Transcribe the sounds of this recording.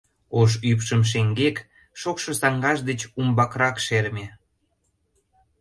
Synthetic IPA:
oʃypʃəmʃ̬eŋɡek | ʃokʃŏsɑŋɡɑʒd̪et͡ɕumbɑkɾɑkʃeɾmʲe

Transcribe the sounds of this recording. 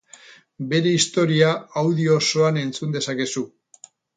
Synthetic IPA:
be̞ɾe̞ist̪o̞ɾiaawðio̞so̞ane̞nt͡sund̪e̞sake̞su

